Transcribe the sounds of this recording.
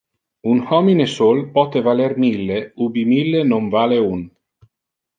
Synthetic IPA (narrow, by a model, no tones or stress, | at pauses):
unhɔminesolpɔt̪evalermilːeubimilːenoɱvaːleun